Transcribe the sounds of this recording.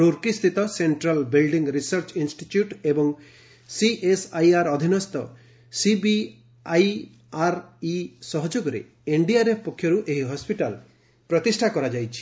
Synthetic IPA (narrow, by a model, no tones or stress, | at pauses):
ɾuɾkist̪ʰit̪ɔseɳʈɾalbilɖiŋɡɾisaɾt͡ʃinsʈitjuʈebɔŋ | siʔesajaɾɔd̪ʱinɔst̪ɔ | sibi | aj | aɾisɔɦɔd͡ʒoɡɔɾḛ | eɳɖiaɾepɔkʰjɔɾuʔeɦiɦɔspiʈal | pɾɔt̪isʈʰakɔɾad͡ʒajt͡ʃʰi̥